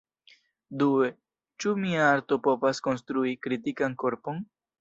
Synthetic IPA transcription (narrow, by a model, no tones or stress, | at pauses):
due | t͡ʃumiaaɾto̞po̞vasko̞nstɾuikɾitikanko̞ɾpo̞n